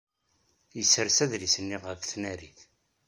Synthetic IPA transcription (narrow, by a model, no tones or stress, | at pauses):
jəsəɾsæðɾisənːiʁəfθnæɾiθ